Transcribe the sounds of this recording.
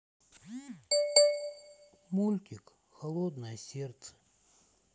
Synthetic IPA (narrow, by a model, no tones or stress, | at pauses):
mulʲt̪ʲɪk | xɐlˠod̪nəjəsʲert̪sə̥